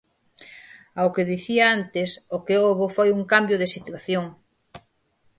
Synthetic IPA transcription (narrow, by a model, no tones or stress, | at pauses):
awkeðiθiaant̪ɪsokeoβofojuŋkambjoðesit̪waθjoŋ